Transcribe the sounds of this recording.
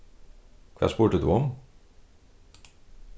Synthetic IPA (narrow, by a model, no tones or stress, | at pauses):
kʰva̰ːspuːʈəd̪ṵɔm